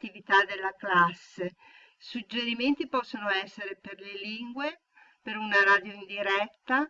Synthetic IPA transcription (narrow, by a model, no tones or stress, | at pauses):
ivit̪ad̪elːaklasːe | sud͡ʒːeɾiment̪ipɔsːonoɛsːeɾeperleliŋɡwe | peɾunaɾaːd̪joind̪iɾɛt̪ːa